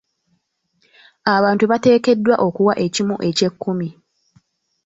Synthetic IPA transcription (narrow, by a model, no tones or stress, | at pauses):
aβaːntuβate̞ːke̞dːwaʔo̞kuwaʔe̞cimṵʔe̞ce̞kːumi